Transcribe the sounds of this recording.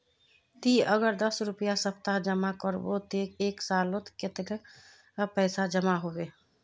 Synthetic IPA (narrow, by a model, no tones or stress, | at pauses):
t̪iəɡəɾd̪əsɾupjasəpt̪ad͡ʒəmakəɾbot̪ekeksalot̪ket̪k | pəɪsad͡ʒəmaɦobe